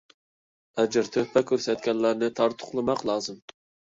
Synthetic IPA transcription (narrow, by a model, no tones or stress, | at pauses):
ɛd͡ʒɪɾt̪ʰøhpʰɛkʲøɾsɛt̪̚kʲɛnlæɾnɪt̪ʰɑɾt̪ʰʊ̥χlˠɨmɑqlˠɑːzɨm